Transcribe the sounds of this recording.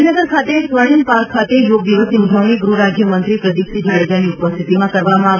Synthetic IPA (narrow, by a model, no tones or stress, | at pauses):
inəɡəɾkʰat̪esʋəɽ̃inpaɾkʰːat̪ejoɡ̚d̪iʋəsiud͡ʒ̪ʱəʋniɡɾuɾad͡ʒjəmənt̪ɾipɾəd̪iksid͡ʒaɭed͡ʒaniupəst̪ʰit̪imãkəɾʋamãa